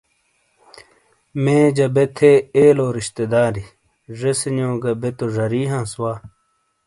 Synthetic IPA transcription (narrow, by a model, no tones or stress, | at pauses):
mẽːd͡ʑɐbet̪ʰeeːloːɾiɕt̪ed̪aːɾi | ʐesinõːɡɐbet̪oʐɐɾiːɦãːswaː